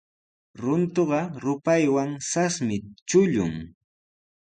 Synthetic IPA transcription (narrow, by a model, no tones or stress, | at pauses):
ɾʊnt̪oɢɑɾʊpajwaŋsasmɪt͡ʃʊʎʊ̰ŋ